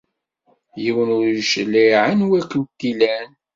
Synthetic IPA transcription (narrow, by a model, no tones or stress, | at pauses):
jiwənʊɾʃəliʕənwækənt̪ːilæn